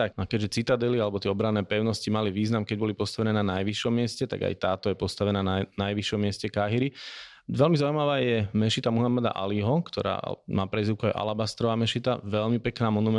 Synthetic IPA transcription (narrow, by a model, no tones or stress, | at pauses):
t̪akakɛɟʒɛt͡sit̪ad̪ɛlialɛbɔt̪ɪɛɔbɾanɛːpɛʊnɔscimaliʋiːznamkɛɟbɔlipɔst̪aʋɛnɛːnanajʋiʃɔmːɪɛscɛt̪a̰ɡa̰jt̪aːt̪ɔjɛpɔst̪aʋɛnaːnanajʋiʃɔmːɪɛscɛkaɦiɾi | ʋɛlmizaujmaʋaːjɛmɛʃit̪amuɦamad̪a̰ʔa̰liɦɔkt̪ɔ̰ɾa̰ːmaːpɾɛziʊkuajʔa̰labast̪ɾɔʋaːmɛʃit̪a̰ʋɛʎmipɛknaːmɔnumɛ